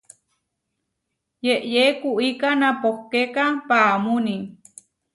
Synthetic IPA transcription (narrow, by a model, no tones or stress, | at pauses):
jeʔjekuʔikanapohkekapamuni